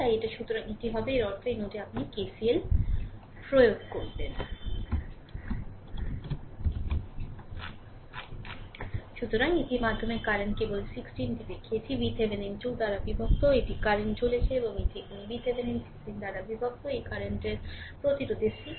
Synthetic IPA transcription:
t̪ajeʈaʃut̪oɾaŋit̪iɦabeeɾɔɾt̪oinoʈiapnikesiel | pɾojoɡkoɾben | ʃut̪oɾaŋitimad̪ʱːomeɾkaɾeɳʈkebolsiksʈinʈib̪ekʰiet͡ɕʰibit̪ʰebenend͡ʑuld̪aɾabibʱok̚t̪oeʈikaɾeɳʈt͡ɕolet͡ɕʰeeboŋeʈimibit̪ʰebenensi̥ksʈind̪aɾabibʱok̚t̪oejkaɾeɳʈeɾpɾot̪iɾod̪ʱeʃi

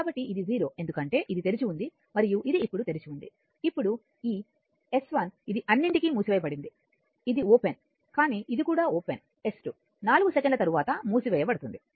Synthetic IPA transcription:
kaːbɐʈːiʔid̪iziːɾo̞ːʔe̞nd̪ukɐɳʈe̞ːʔid̪it̪e̞ɾit͡ʃiund̪i | mɐɾijuʔid̪iːpːuɽut̪e̞ɾit͡ʃind̪i | ipːuɽu | iː | e̞sʋɐnid̪iʔɐnːiɳʈikiːmuːsiʋɛːjɐpɐɽind̪i | id̪ioːpen | kaːniːʔid̪ikuːɽaːoːpḛn | e̞sʈu | naːluɡusekeɳɖlɐt̪ɐɾuʋaːt̪ɐmuːsiʋɛjɐpɐɽɐt̪und̪i

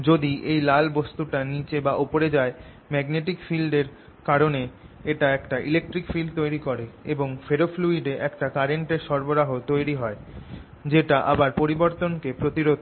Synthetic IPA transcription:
d͡ʑod̪iʔejlalbost̪uʈanit͡ɕebaʔopoɾed͡ʑae | mɛɡneʈikfilɖeɾ | kaɾone | eʈaɛkʈaʔilek̚ʈɾikfilɖt̪ojɾikoɾeeboŋfeɾofluiɖeʔɛkʈakaɾeɳʈeɾʃɔɾboɾaɦot̪ojɾiɦɔe | d͡ʑeʈaʔa̰baɾpoɾiboɾt̪onkepɾot̪iɾod̪

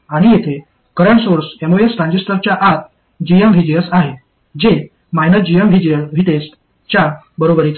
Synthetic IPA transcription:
aɽ̃ijet̪ʰe | kəɾəɳsoɾsemoesɾãɲd͡ʑesʈ̪əɾt͡ɕjaʔat̪̚ | d͡ʑiemʋʱid͡ʑeəsaɦe | d͡ʑe | majnət̪d͡ʑiemʋʱid͡ʑejəsʋʱiʈesʈ | t͡ɕja | bəɾobəɾit͡s

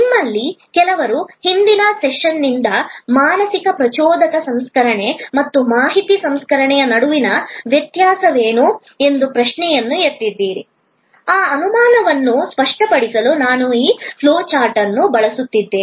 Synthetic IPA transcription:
mːɐlːikɛlɐʋɐɾuhind̪inɐsɛʃʂɐnːind̪ɐmaːnɐsikɐpɾɐt͡ʃɔːd̪ɐkɐsɐmskɐɾɐɳe̞mɐt̪ːumaːɦit̪isɐmskɐɾɐɳɛjɐnɐɽuʋinɐʋjɐt̪jaːsɐʋeːnu | e̞nd̪upɾɐʃɳɛjɐnːueɾt̪id̪ːiːɾḭ | aːɐnumaːnɐʋɐnːuspɐʂʈɐpɐɽisɐlunaːnuiːpʰloːt͡ʃaːɾʈɐnːubɐɭɐsut̪ːid̪ːeːi

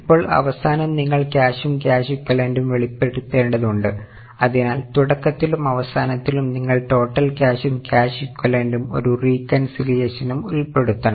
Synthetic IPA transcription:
ipːo̞ːɭɐ̰ʋɐsaːnɐmniŋːɐɭkʲaːɕumkʲaːɕikʲːɐɭe̞ːnɖumʋe̞ɭipːe̞ɽut̪ːe̞ːɳɖɐðuɳɖɨ | ɐðinaːlt̪uɽɐkːɐt̪ːilumɐʋɐsaːnɐt̪ːilumniŋːɐɭʈo̞ːʈːɐlkʲaːɕumkʲjaːɕikʲːɐɭe̞ːnɖumo̞̰ɾuriːkːɐnsiljeːɕɐnumulpe̞ɽut̪ːɐɳɐ

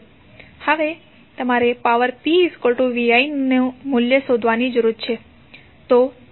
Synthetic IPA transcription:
həʋe | t̪əmaɾepaʋəɾpiskolʈuʋijainnemuljəʃod̪ʱʋanid͡ʒəɾuɾt͡ʃʰe | t̪o

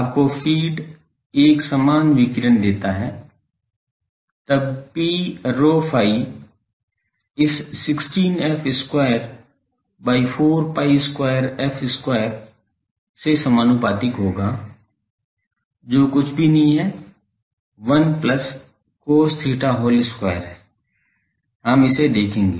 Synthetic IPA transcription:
aːp̚kopʰiːɖ | eːksamaːnʋɪkɪɾənd̪eːt̪aɦɛː | t̪əbpiːɾoːpʰaːi | ɪsːɪksʈiːnɛpʰɪskwaːjəɾ | baːipʰoːɾpaːiɪskwaːjəɾɛfʰɪskwaːjəɾ | sesəmaːnʊpaːt̪ɪkɦoːɡaː | d͡ʒoːkʊt͡ʃʰbʱinɐɦĩɦɛ | ʋənplɐs | kost̪ʰiːʈaɦoːlɪskwaːjəɾɦɛː | ɦəmɪsed̪eːkʰẽːŋɡeː

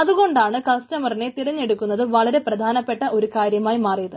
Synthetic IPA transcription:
ɐðuɣo̞ɳɖaːɳɨkɐstɐmɐrine̞t̪iɾɐɲːe̞ɽukːunːɐðɨʋɐɭɐɾe̞prɐd̪ʱaːnɐpːe̞ʈːɐʔo̞ɾukaːɾjɐmaːjimaːrijɐðɨ

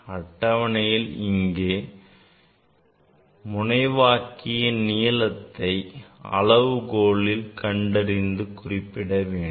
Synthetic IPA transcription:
ɐʈːɐʋɐɳɐjɪlɪŋɡeː | mʊnɐɪʋaːkɪjɐnijɐlɐt̪ːɐɪɐ̰lɐʋɯkoːɭɪlkɐɳɖɐɾɪnd̪ɯkʊrɪpːɪɽɐʋeːɳ

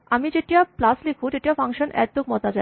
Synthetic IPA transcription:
amid͡ʑeʈiaplaslekʰuʃeʈiafʰaŋʃonɛ̰t̪ok̚mɔt̪ad͡ʑa

